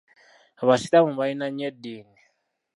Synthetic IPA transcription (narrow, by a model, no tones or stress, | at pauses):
aβasitamuβainaɲɛdiːni